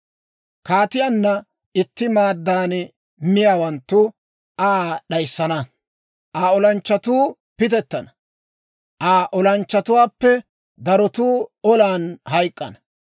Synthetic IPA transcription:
kaːt̪ɪjanːɐ | ɪt̪ːɪmaːd̪ːaːn | mɪjaːwɐnt̪ːʊ | ʔaːɗɐjsːɐnɐ | ʔaːɔlɐnt͡ʃːɐt̪uː | pɪt̪ɛt̪ːɐnɐ̥ | ʔaːʔɔlɐnt͡ʃːɐt̪ʊwaːpːɛ | d̪ɐɾɔt̪uːɔlaːnhɐjkʼːɐ̰nɐ

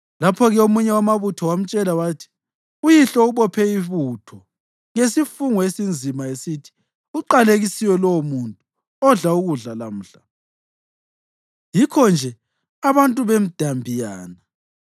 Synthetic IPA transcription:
lapʰɔɣɛomuɲɛwamaβutʰɔwam̩t͡ʃʼɛlaβaːtʰi̥ | ujiɬɔuβɔpʰɛiβutʰɔ | ŋesifuŋɔesind͡zʱimaesitʰi̥ | uǃaleɣisijɔlɔwmuntʼu | ɔɮauɣuɮalam̩ːɬa | jikʰɔnd͡ʒʱɛ | aβantʼuβem̩d̥ʱambʱijaːna

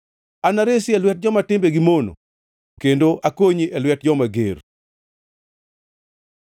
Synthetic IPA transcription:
anaɾesɪɛlwɛt̚d͡ʒɔmatɪmbeɡimono̰ | kendoʔakoɲiʔɛlwɛt̚d͡ʒɔmaɡer

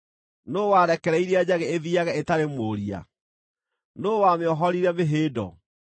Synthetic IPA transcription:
noːwaɾɛkɛɾɛiɾiad͡ʑaɣeeðiaɣɛetaɾemoːɾia̰ | noːwameɔɦɔɾiɾɛmeɦeːdɔ̰

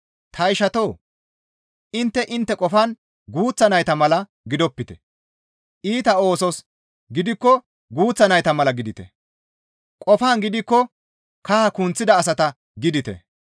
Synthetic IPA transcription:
t̪ʰɐɪʃɐt̪o̞ː | ʔɪnt̪ːɛʔɪnt̪ːɛkʼɔfan | ɡuːt͡sːɐnɐjt̪ɐmɐlɐ | ɡɪd̪ɔpːɪt̪ɛ̥ | ʔiːt̪ɐo̞ːsɔs | ɡɪd̪ɪkːɔ | ɡuːt͡sːɐnɐjt̪ɐmɐlɐɡɪd̪ɪt̪ɛ̰ | kʼɔfaːnɡɪd̪ɪkːɔ | kaakunt͡sːɪd̪ɐːsɐt̪ɐ | ɡɪd̪ɪt̪ɛ̰

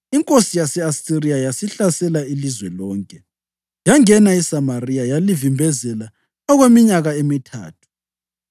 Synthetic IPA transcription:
iŋkʼosijasɛasirijajasiɬasɛlailizwɛlɔːŋkʼɛ | jaŋɛnaisamarijajalivimbʱɛzɛla | ɔɣwemiɲaɣaemitʰa̰ːtʰu̥

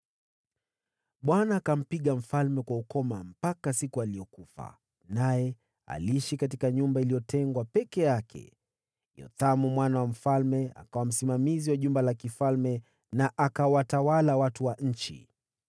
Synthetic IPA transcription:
ɓwanaːkam̩piɠam̩falmɛkwaukɔmam̩pakasikualiɔkufa̰ | najɛ | a̰liiʃikat̬ikaɲumbailiɔtʰɛŋɡwapɛkɛjakʰɛ̰ | jɔ̰θamumwanawam̩falmɛa̰kawam̩simamiziwaʄumbalakifalmɛ | naʔakawatawalawatuwaɲ̩t͡ʃḭ

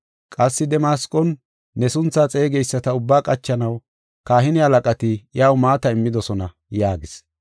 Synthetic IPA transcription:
kʼɐsːɪd̪ɛmaːskʼːɔnː | ɛsʊnt͡sːaːt͡sʼe̞ːɡɛjsːɐt̪ɐʊbːaːkʼɐt͡ʃːɐnɐw | kaːɦɪnɪhɐlɐkʼɐt̪ɪjaːwmaːt̪ɐɪmːɪd̪ɔsɔnɐ | jaːɡɪs

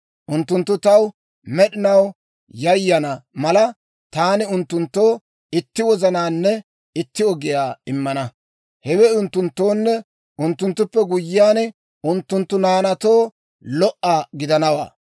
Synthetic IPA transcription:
ʔʊnt̪ːʊnt̪ːʊt̪ɐw | mɛɗɪnɐw | jɐjːɐnɐmɐlɐ | t̪aːnɪʊnt̪ːʊnt̪ːoː | ɪt̪ːɪwɔzɐnaːnːɛ | ɪt̪ːɪɔɡɪjaːɪmːɐnɐ | hɛwɛʊnt̪ːʊnt̪ːo̞ːnːɛ | ʔʊnt̪ːʊnt̪ːʊpːɛɡʊjːɪaːnɛ | ʊnt̪ːʊnt̪ːʊnaːnɐt̪oː | lɔʔːaːɡɪd̪ɐnɐwa̰ː

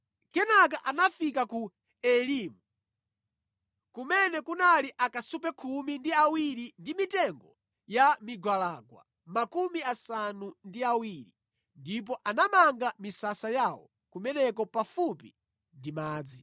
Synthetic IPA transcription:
kɛnak̬aʔanafikaku | ɛliːmu | kumɛnɛkunaliʔakasup̬ɛkʰumindiawiɾindimitɛŋɡɔ | jamiɡwalaːɡwa̰ | makumiasanundiawiɾi | ndip̬ɔʔanamaŋɡamisasajawɔ̰ | kumɛnɛkɔpafupi | ndimaːd͡zi

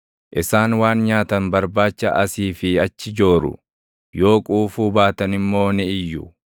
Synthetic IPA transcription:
ʔɪsaːnwaːnɲaːt̪ɐnbɐɾbaːt͡ʃːɐʔɐsiːfɪɐt͡ʃːɪd͡ʒo̞ːɾʊ̰ | jo̞ːkʼuːfuːbaːt̪ɐnɪmːo̞ːnɪɪjːʊ

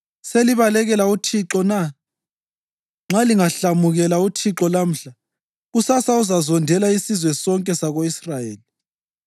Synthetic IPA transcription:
seliβalɛɣɛlautʰiǁɔna | ŋ͡ǁʱaliŋaɬamuɣɛlautʰiǁɔlam̩ɬa | ɣusasauzazɔndʱɛlaisizwɛsɔŋkʼɛsaɣoisrajeːli

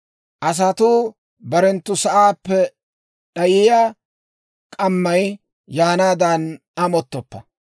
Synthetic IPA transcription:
ʔɐs̬ɐt̪uː | bɐɾɛnt̪ːʊsɐʔaːpːɛ | ɗɐjɪjaː | kʼɐmːɐj | jaːnaːd̪ɐn | ɐmɔt̪ːɔpːɐ

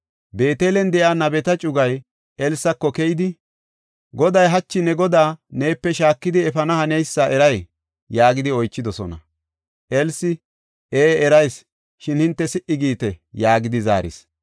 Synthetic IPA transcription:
be̞ːt̪eːlɛnd̪ɛʔaːnɐbɛt̪ɐt͡ʃʼʊɡɐj | ɛlsːɐkːɔkɛjɪd̪ɪ | ɡɔd̪ɐjɦɐt͡ʃːɪnɛɡɔd̪aːne̞ːpːɛʃaːkːɪd̪ɪɛfɐnɐhɐnɛjsːɐʔɛɾɐj | jaːɡɪd̪ɪɔjt͡ʃːɪd̪ɔsɔnɐ̰ | ʔɛlsɪ | eːɛɾɐjs | ʃɪnhɪnt̪ːɛsɪʔɪɡiːt̪ɛjaːɡɪd̪ɪza̰ːɾɪ̰s

